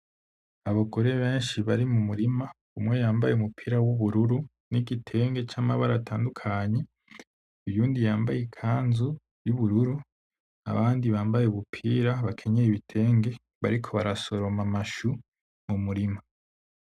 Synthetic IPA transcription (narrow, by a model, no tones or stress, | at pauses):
aβaɡo̞ɾe̞βe̞ːnʃiβaɾimumuɾima | umŋe̞jaːmbajeumupʰiːɾawuβuɾuɾu | niɡitʰe̞ːŋɡe̞t͡ʃaːmaβaɾatʰaːndukʰaɲe̞ | uβjuːndijaːmbajikʰaːnzu | juβuɾuɾu | a̰βaːndiβaːmbajeuβupʰiːɾaβakʰe̞ɲeiβitʰe̞ːŋɡe̞ | βa̰ɾikʰo̞βaɾaso̞ɾo̞mamaʃu | mumuɾima